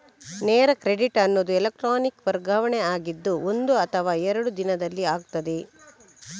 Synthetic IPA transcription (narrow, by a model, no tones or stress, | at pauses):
neːɾɐkɾeɖiʈɐnːod̪uelek̚ʈɾaːnikʋɐɾɡaːʋɐɳeaːɡid̪ːuo̞nd̪uɐt̪ʰɐʋaːɛɾɐɽud̪inɐd̪ɐlːiaːɡ̚t̪ɐd̪e̞